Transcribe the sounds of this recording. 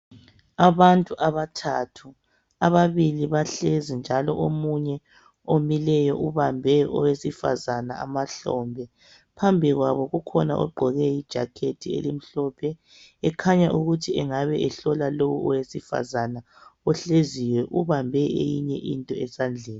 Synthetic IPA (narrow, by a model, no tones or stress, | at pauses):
aβantʼuʔaβatʰatʰu | aβaβiliβaɬezind͡ʒʱalɔʔomuɲɛ | omilɛjɔʔuβambʱɛʔɔwesifa̰zanaa̰maɬɔmbʱɛ | pʰambʱiɣwaβɔɣukʰɔna̰ʔɔ̰ɡ͡ǃʱɔɣɛjid̥ʒ̥ʱakʰetʰiḛlim̩ɬɔpʰɛ | ɛkʰaɲaʔuɣutʰiɛŋaβɛʔɛɬɔlalowuɔwesifa̰zana | ɔɬeziwɛʔuβambʱɛḛjiɲɛ̰ʔintʼɔɛsand͡ɮʱeːni